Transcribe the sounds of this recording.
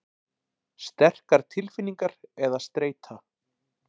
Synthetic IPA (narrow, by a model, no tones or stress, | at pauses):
st̪ɛr̥kaɾ̥t̪ʰɪlfɪnːiŋkaɾɛðast̪ɾeːjt̪ʰa